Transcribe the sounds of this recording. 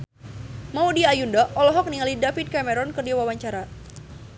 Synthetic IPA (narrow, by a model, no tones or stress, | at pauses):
maudiaːjundaʔɔlɔɦɔk̚niŋalidafit̪̚kamɛɾɔnkɨrdiwawaɲt͡ʃaɾa